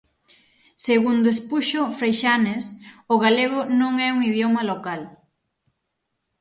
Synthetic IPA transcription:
seɣund̪ʊespuʃʊfɾejʃanesʊɣaleɣʊnõŋɛuŋiðjomɐlokal

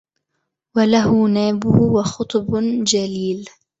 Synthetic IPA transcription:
walahʊnaːbʊhʊwɑxʊt̪ˤbd͡ʒaliːl

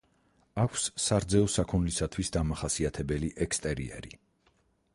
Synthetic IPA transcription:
akʷʰsːaɾd̪zɛɔsakʰunlisat̪ʰwisd̪amaχasiat̪ʰɛbɛliʔɛkst̪ʼɛɾiɛ̰ɾḭ

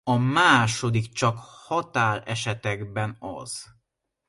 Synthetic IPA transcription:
ɒmaːʃo̞d̪ikt͡ʃɒkhɒt̪aːlɛʃɛt̪ɛɡbɛnɒ̰z̥

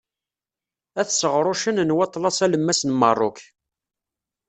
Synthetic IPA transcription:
æθsəʁɾˤoʃənnwɑt̪ˤːlɑsæləmːæsnmərˤːʊ̰k

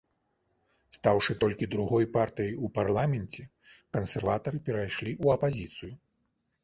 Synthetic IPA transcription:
st̪awʂɨt̪ɔlʲkʲid̪ɾuɣɔjpart̪ɨjɐjuparlˠamʲɛnt͡sʲɛ | kɐnsʲɛrvat̪ɐɾɨpʲɛɾajʂlʲiʔuɐpazʲit̪sɨju

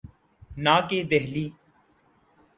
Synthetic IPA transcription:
naːkeːd̪eɦliː

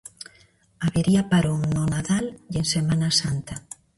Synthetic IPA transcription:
aβeɾiapaɾoŋnonaðaljeŋsemãnasant̪a

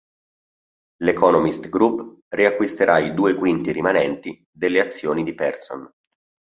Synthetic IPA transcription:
lekɔnomist̪ɡɾupː | riakːwist̪eɾʔaid̪uːekwint̪iɾimanɛnt̪i | d̪elːeat̪sːjoːnid̪ipɛrso̰n

